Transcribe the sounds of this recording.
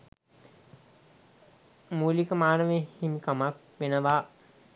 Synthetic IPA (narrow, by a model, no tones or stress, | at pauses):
muːlikəmaːnəʋehimikamak̚ | ʋenəʋaː